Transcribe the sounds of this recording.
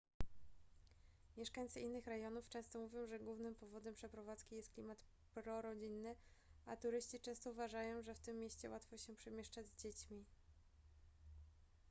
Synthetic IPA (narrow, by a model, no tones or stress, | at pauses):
mʲjɛʂkaɲt̪sɘʔinːɘxɾɛjɔnuft͡ʂɛ̃w̃st̪ɔmuvʲjɔ̃w̃ʐɛɡwuvnɘmpɔvɔd̪ɛmpʂɛpɾɔvat̪skʲijɛst̪klʲimat̪ | pɾɔɾɔd͡ʑinːɘat̪uɾɘɕt͡ɕit͡ʂɛ̃w̃st̪ɔuvaʐajɔ̃w̃ʐɛft̪ɘmːʲjeɕt͡ɕɛ̰wʔat̪fɔɕɛpʂɛmʲjeɛʂt͡ʂad͡ʑzd͡ʑet͡ɕmʲi